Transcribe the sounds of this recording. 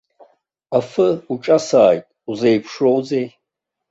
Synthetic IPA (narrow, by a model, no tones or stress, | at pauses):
afɨuʈ͡ʂʼasaːjtʼuzejpʰʂrowzej